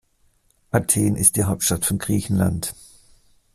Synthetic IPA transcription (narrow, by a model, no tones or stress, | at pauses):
ʔatʰeːnɪ̰st̚d̥iːɦaʊp̚tʃtatfɔnɡ̥ʁiːçn̩la̰nt